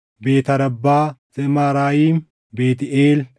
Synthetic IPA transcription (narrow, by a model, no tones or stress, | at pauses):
beːt̪ɐɾɐbːaːzɛmaːɾaːjiːm | beːt̪ɪeːl